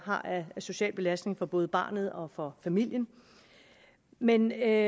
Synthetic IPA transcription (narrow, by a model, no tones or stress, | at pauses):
ɦɑ̈ʔæso̝ɕɛ̰ːlb̥e̝læsd̥ne̝ŋfɒ̽b̥ɔ̽ːð̞̩ˠb̥ɑ̰̈ːnð̞̩ˠɒ̽fɒ̽fæmil̰jən | men